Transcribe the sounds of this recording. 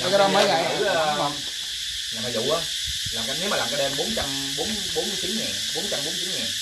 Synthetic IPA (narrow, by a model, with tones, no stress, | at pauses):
ka˨˦ɗɔ˨˦mə˨˦ɣa˨j | laː˨˩ma˨˩zṵ˧˨ʔə˧ | laː˨˩mka˧ne˨˦wmaː˨laː˨˩ka˧˦ɗɛ˧mɓo˨˦nt͡ɕa˧m | ɓo˨˦n | ɓo˨˦nm˨˦jt͡ɕi˨˦nŋɛː˨˩ɓo˨˦nt͡ɕa˧mɓo˨˦nm˨˩i˨˦ŋɛː˨˩